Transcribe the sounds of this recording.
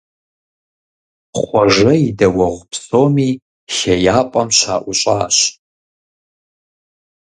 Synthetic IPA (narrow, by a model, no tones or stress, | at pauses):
χʷɔʐɐidɐwɐʁʷpʰsoːmi | ʃɐjaːpʷʼɐmʃa̰ːʔʷʊɕʷʼaːɕ